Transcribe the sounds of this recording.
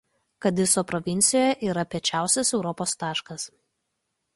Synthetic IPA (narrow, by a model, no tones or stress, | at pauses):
kɐt̪ʋʲɪsoːpɾɔʋʲɪnʲt̪sʲɪjoːjɛʔiːɾɐpʲiɛt͡ʃʲæˑʊsʲɛsɛʊɾɔpoːst̪ɑːʃkɐs